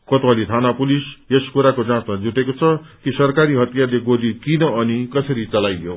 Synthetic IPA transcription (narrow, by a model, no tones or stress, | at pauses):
kʌt̪wʌlit̪ʰanapuliseskuɾakod͡zãt͡smad͡zuʈekot͡sʰʌkisʌrkaɾiɦʌt̪ijarleɡod̪ikinʌʌnikʌsʌɾit͡sʌlajjo̰